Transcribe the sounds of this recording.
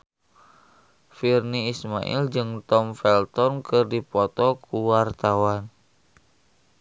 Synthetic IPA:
firniːsma̰ʔḭld͡ʒɨŋt̪ɔmfɛlt̪ɔnkɨrdipɔt̪ɔkuwart̪awan

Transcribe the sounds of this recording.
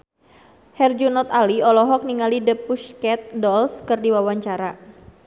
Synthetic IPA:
hɛrd͡ʒunɔt̪aliɔlɔɦɔk̚niŋalidəpuskɛt̪̚dɔlskɨrdiwawaɲt͡ʃaɾa

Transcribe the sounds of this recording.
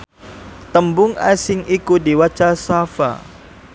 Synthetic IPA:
t̪əmbʊŋa̰sɪŋikudiwat͡ʃasafa̰

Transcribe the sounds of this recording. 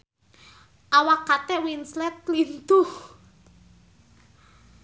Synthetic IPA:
ʔawakat̪ɛwinslɛt̪̚lint̪u

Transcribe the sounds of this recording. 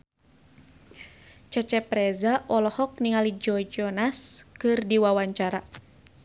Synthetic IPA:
t͡ʃɛt͡ʃɛpɾɛzaʔɔlɔhɔk̚niŋalid͡ʒɔd͡ʒɔnaskɨrdiwawaɲt͡ʃaɾa

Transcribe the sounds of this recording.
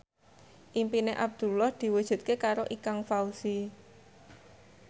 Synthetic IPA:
ʔimpineʔab̚d̪̥ṳlɔhd̪̥i̤wud̥ʒ̥ṳt̪̚kekaɾoʔikaŋfausi

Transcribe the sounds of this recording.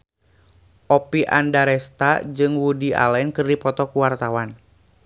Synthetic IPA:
ʔɔpiʔa̰ndaɾɛst̪ad͡ʒɨŋwudiʔa̰lɛnkɨrdipɔt̪ɔkuwart̪awan

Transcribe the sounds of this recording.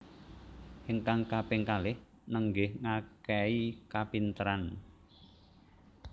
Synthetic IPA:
hɪŋkaŋkapɪŋkalɪh | nəŋɡɪhŋakɛikapint̪əɾan

